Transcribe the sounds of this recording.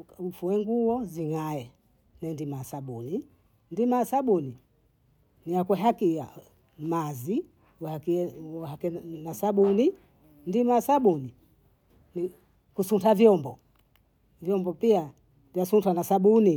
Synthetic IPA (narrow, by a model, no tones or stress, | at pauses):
ufuwɛŋɡuwɔziŋaɛ | nɛndimasaɓuni | ndimasaɓuni | niakwɛɦakija̰ | mazi | akihakɛnasaɓuni | ndimasaɓuni | ni | kusuntavjɔmbɔ | vjɔmbɔpia | vjasuntanasaɓuni